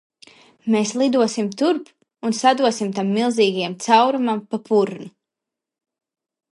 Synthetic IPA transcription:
meːslˠid̪uɔsimt̪uɾp | unsad̪uɔsimt̪amːilˠziːɡajamt̪sawɾumampapʰuɾnu

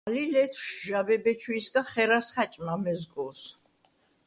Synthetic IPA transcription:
lilɛt̪ʰʃʒabɛbɛt͡ʃʰwisɡaχɛɾasχat͡ʃʼmamɛzɡɔs

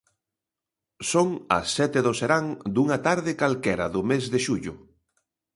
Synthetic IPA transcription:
soŋɐ̰sːɛt̪eðoseɾaŋd̪uŋat̪aɾðekalkɛɾɐðʊmezðeʃuʎʊ

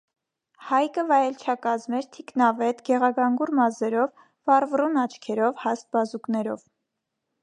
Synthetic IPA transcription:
hɑjkəvɑjɛlt͡ʃʰɑkɑzmɛɾt̪ʰiknɑvɛt̪ɡɛʁɑɡɑŋɡuɾmɑzɛɾɔvː | ɑrvrunɑt͡ʃʰkʰɛɾɔvhɑst̪̚bɑzuknɛɾɔ̰v

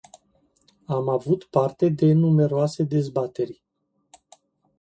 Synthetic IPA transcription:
amavut̪part̪e̞d̪e̞nume̞ɾoase̞d̪e̞zbat̪e̞rʲ

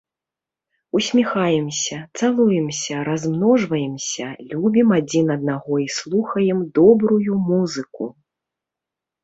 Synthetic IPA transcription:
usʲmʲixajɛmsʲɐt̪salˠujɛmsʲɐɾazmnɔʐvɐjɛmsʲɐlʲubʲimad͡zʲinɐd̪̚naɣɔislˠuxɐjɛmd̪ɔbɾujumuzɨku

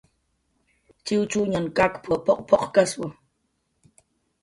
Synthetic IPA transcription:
t͡ʃɪwt͡ʃuɲankʼakpʰopoqpoqkaswʊ

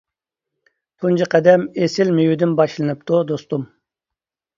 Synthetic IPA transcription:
kʰunt͡ʃiqɛd̪ɛmesɪlmejud̪ɪnbɑʃlˠɨnɨp̚t̪ʰud̪ost̪um

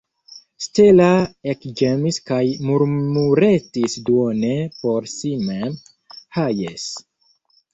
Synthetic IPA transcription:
stelaekd͡ʒemiskajmuɾmuɾetisduonepo̞ɾsimem | hajes

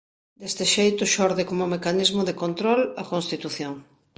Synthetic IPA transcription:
d̪est̪ɪʃejt̪ʊʃɔɾðɪkomʊmekanizmʊðekont̪ɾɔlɐkonst̪it̪uθjoŋ

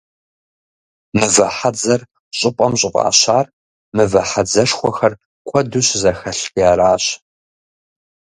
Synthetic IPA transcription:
mɨvɐħad͡zɐr | ɕʼɪpʼɐmɕʼɪpʼa̰ːɕaːr | mɨvɐħad͡zɐʂxʷɔxɐr | kʷʰɔduɕzɐxɐɬpjaːɾaːɕ

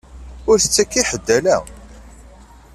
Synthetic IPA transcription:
ʊɾθət͡sːækːiħəd̪ːælæ̰

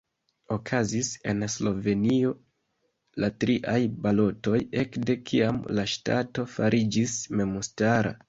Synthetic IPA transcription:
o̞kʰazise̞̰nslo̞ve̞nio̞ | latɾiʔajbalo̞to̞je̞kde̞kʰiamlaʃta̰to̞faɾʔid͡ʒisme̞mustaɾa̰

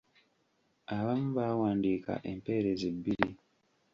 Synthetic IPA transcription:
aβamuβawaːndiːka̰ʔempe̞ːɾezibːiɾi

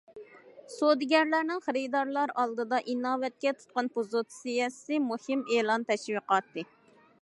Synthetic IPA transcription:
sod̪ɡʲɛɾlæɾnɪŋχəɾid̪ɑɾlˠɑɾɑlˠd̪ɨd̪ɑʔinɑːwɛt̪̚kʲɛt̪ʰu̥t̪̚qɑnpuzut̪sijɛsɨmuhɪmeːlˠɑnt̪ʰɛʃwiqɑt̪ːɨ

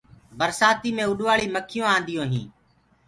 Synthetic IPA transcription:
bəɾsaːt̪iːmẽːʊɗʋaːɭiːməkʰːɪjõːãːnd̪ɪjõːɦḭ̃ː

